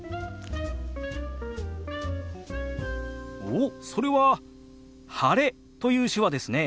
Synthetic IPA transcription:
oːso̞ɾe̞βa | haɾe̞ | t̪o̞jɯ̟ːɕɨβad̪e̞sɨne̞

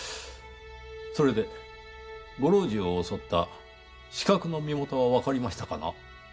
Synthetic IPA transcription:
so̞ɾe̞d̪e̞ | ɡo̞ɾo̞ːʑioːso̞t̪ːa̰ | ɕi̥kakɯ̟no̞mʲimo̞t̪o̞βaβakaɾʲimaɕi̥t̪ḁkana̰

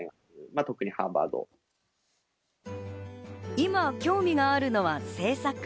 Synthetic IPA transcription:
ŋa | ɯmat̪o̞kɯ̟ɲ̟iha̰ːba̰ːd̪o̰ | imakʲo̞ːmʲiɡaːɾɯ̟no̞βase̞ːsakɯ̥

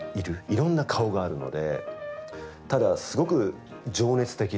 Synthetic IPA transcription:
iɾɯ̟iɾõ̞nːakʰao̞ɡaːɾɯ̟no̞̰d̪e̞̰ | t̪ad̪asɨɡo̞kɯ̟ | d͡ʑo̞ːne̞t͡sɨ̥t̪e̞kʲi

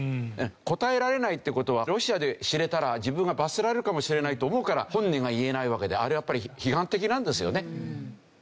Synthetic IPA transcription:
ko̞t̪ae̞ɾaɾe̞nait̪ːeɯ̟ko̞t̪o̞β̞aɾo̞ɕiad̪e̞ɕiɾe̞t̪aɾad͡ʑibɯ̟̃ŋɡabaseɾaɾe̞ɾɯ̟kamo̞ɕiɾe̞nait̪o̞ːmo̞ɯ̟kaɾahõ̞ɲːĩŋɡaie̞naiβake̞d̪eaɾɯjapːaɾʲiçiɦãnt̪e̞k̬ʲinãnd̪e̞sɨjo̞̰ne̞

